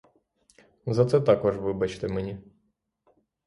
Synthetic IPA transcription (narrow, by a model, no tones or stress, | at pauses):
zɐt̪sɛt̪ɑkɔʒʋɪbɐt͡ʃt̪ɪmɛnʲi